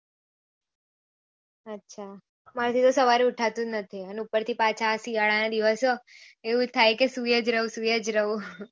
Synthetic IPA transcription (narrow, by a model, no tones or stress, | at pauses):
ətːʃʰa | maɾt̪ʰit̪osəʋaɾiuʈʰat̪ũnət̪ʰiəneupəɾt̪ʰipãt͡ʃʰaːsijaɭanad̪iʋəsoeũt̪ʰajkesujəd͡ʒɾəɦũsujəd͡ʒɾəɦũ